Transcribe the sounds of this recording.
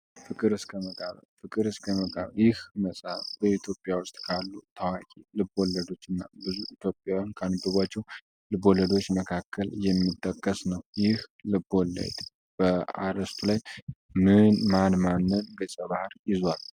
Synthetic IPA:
fɨkʼɨɾɨskʰəməkʼa̰βfɨkʼɨɾɨskʰəməkʼa̰βjɪhməsʼafb̥əit̪ʰjo̞pʼjawʊst̪ʼkʰalːut̪ʰəwakʲʼilɨbo̞lːəd̪o̞t͡ʃːɨnːa̰bɨzuit̪ʰjo̞pʼːjajankʰəanɨbːɨβat͡ʃːɛw | lɨbo̞ləd̪o̞t͡ʃːməkʰakʰːəljɛmːit̪ʼːəkʼːəsnəwjɪhlɨbo̞lːə̰d̪ | b̥əa̰ɾəst̪ʰulaj | mɨnmanmanːɨnɡəsʼəβahɾjɪzwal

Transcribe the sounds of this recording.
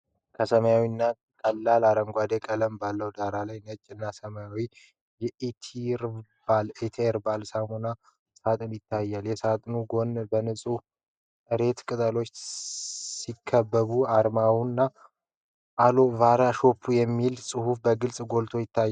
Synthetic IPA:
kʰəsəməjawinːa | kʼəlːalaɾəŋɡʷwad̪ekʼələmbalːəwd̪aɾalajnət͡ʃʼːɪnːasəməjawi | jɛʔet̪ʰiɾbalet̪ʰeɾbalsahuna | sat̪ʼɨnjɪt̪ʰːajːaljɛsat̪ʼnuɡo̞nbənɨsʼu | ʔɨɾe̞t̪kʼɨt̪ʼəlo̞t͡ʃː | sikʰːəbːəβuaɾmawnːa | ʔalo̞vaɾaʃo̞pʰːujɛmːilsʼɨhufbəɡɨlsʼɡo̞lt̪ʰo̞jɪt̪ʰːajː

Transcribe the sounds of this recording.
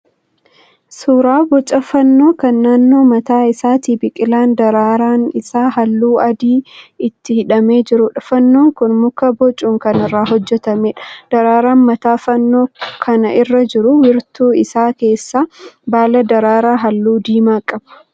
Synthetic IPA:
suːɾaːbɔt͡ʃʼɐfɐnːo̞ːkɐnːaːnːo̞ːmɐt̪aːɪsaːt̪iːbɪkʼɪlaːnd̪ɐɾaːɾaːnɪsaːɦɐlːuːɐd̪iːɪt̪ːɪhɪᶑɐme̞ːd͡ʒɪɾʊᶑɐfɐnːo̞ːŋkʊnmʊkɐbɔt͡ʃʼuːŋkɐnɪrːaːɦɔd͡ʒːɛt̪ɐmeːᶑɐ̥d̪̥ɐɾaːɾaːnmɐt̪aːfɐnːoːkʰɐnɐʔɪrːɐd͡ʒɪɾʊwɪɾt̪uːɪsaːke̞ːsːaːbaːlɐd̪ɐɾaːɾaːɦɐlːuːd̪iːmaːkʼɐb̥ɐ̥

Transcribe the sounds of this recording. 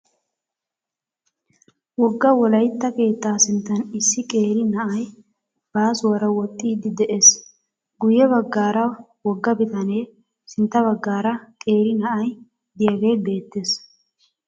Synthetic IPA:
wɔɡːɐwɔlɐjt̪ːɐke̞ːt̪ːaːsɪnt̪ːɐnɪsːɪkʼe̞ːɾɪnɐʔɐj | b̥aːsʊwɐɾɐwɔt̪ʼːiːd̪ɪd̪ɛʔe̞ːs | ɡʊjɛβɐɡːaːɾɐwɔɡːɐbɪt̪ɐne̞ː | sɪnt̪ːɐbɐɡːaːɾɐkʼe̞ːɾɪnɐʔɐj | d̪ɪjɐɡe̞ːbe̞ːt̪ːe̞ːs

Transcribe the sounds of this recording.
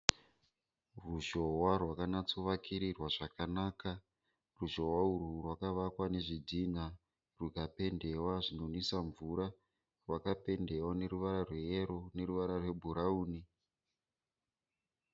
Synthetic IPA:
ruʒo̞warwakanat͡soʋakʰiɾirwaʐakanaːka | ruʒo̞waururwakaʋakwane̞ʐid͡zʱina | rukape̞nde̞waʐino̞nisaɱvuɾa | rwakape̞nde̞wane̞ɾuʋaɾarwe̞jeɾo̞ne̞ɾuʋaɾarwe̞bʱuɾauːni

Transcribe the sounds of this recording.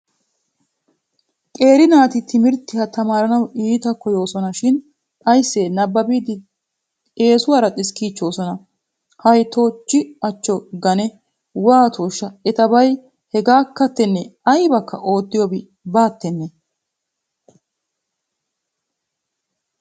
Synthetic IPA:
kʼe̞ːɾɪnaːt̪ɪt̪ʰɪmɪɾt̪ːɪhɐt̪ɐmaːɾɐnɐwiːt̪ɐkɔjo̞ːsɔnɐʃɪn | ɐjsːeːnɐbːɐbiːd̪ɪ | eːsʊwaːɾɐt̪ʼɪskiːt͡ʃːo̞ːsɔnɐ | hɐjt̪oːt͡ʃːɪɐt͡ʃːɔɡɐnɛ | waːt̪ʰoːʃːɐɛt̪ɐbɐj | hɛɡaːkːɐt̪ːɛnːɛɐjbɐkːɐ̰ʔo̞ːd̪ːɪjɔbɪ | baːt̪ːɛnːɛ

